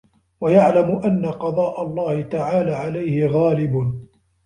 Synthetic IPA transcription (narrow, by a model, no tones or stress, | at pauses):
wajaʕlamʊʔanːaqɑd̪ˤɑːʔalˤːɑːhɪt̪aʕaːlaːʕalajhɪɣaːlɪb